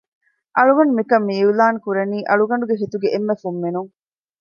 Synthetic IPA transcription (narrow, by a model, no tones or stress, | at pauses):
ʔɐɭuɡɐɳɖumikɐmːiːulaːŋkuɾɐniːʔɐɭuɡɐɳ̆ɖuɡeɦit̪uɡeʔemːefumːinuŋ